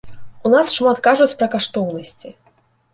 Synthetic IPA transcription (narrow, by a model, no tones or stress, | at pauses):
unasʂmat̪kaʐut͡sʲpɾɐkaʂt̪ɔwnɐsʲt͡sʲi